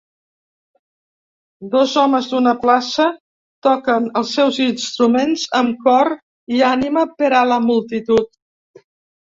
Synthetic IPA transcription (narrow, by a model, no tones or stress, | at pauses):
d̪ɔzɔməzd̪unəplasə | t̪ɔkənəlˠsːɛwzinst̪ɾumenzəmkɔɾ | ianiməpəɾaləmulˠt̪it̪ut̪̚